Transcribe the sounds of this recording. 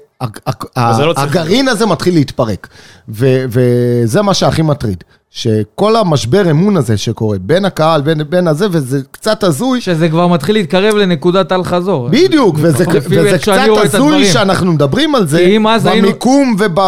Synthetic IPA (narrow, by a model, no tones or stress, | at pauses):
aaaeloːɡaʁinaze̞mat̪χilːeit̪paʁekveveze̞maʃeaχimat̪ʁḭd̪ | ʃeko̞lamaʃbe̞ʁemunaze̞ʃe̞ko̞ʁe̞be̞nakahalbenbe̞naze̞vezekt͡sat̪azujʃezekvaʁmat̪χileiːt̪̚kaʁe̞vlenekudat̪alχazo̞ʁbid̪jukvezevezekaazujeanaχnumed̪abʁimalzeimazamikumve̞ba